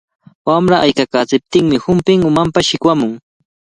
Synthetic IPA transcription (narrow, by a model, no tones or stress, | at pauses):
wamɾaʔajkakaːt͡sɪp̚t̪ɪŋmɪhʊmpɪŋʊmampaʃɪkwamʊŋ